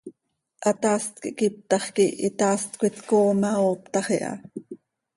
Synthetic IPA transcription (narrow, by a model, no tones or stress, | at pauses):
ʔɑt̪ɑːst̪̚kiʔkip̚t̪ɑχkiit̪ɑːst̪kʷit̪koːmɑoːpt̪ɑχiʔɑ̰